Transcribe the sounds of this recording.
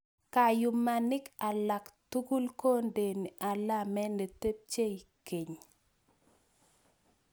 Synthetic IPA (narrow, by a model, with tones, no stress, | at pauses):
ka˨jʊ˨ma˨nɪ˦ka˨la˨ktu˦ɡu˦lko˦nde˨ni˨ʔa˨la˦mɛ˦ne˨te˦p̚t͡ʃe˦jke˨ɲ